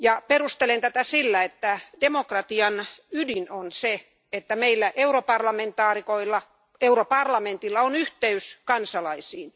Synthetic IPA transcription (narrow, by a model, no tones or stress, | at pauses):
jɑperust̪elent̪æt̪æsilːæet̪ːæd̥emokrɑt̪iɑnydinonse | et̪ːæmeilːæʔeuɾopɑrlɑment̪ɑːrikoilːɑ | euɾopɑrlɑment̪ilːɑonyht̪eyskɑnsɑlɑisiːn